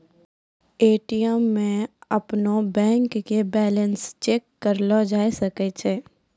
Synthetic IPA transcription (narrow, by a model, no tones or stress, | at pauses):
eːʈijəmːẽɐpnobɛ̃ːŋkːebɛːlənst͡ʃeːkːəɾlɔd͡ʒaːesəket͡ʃʰeː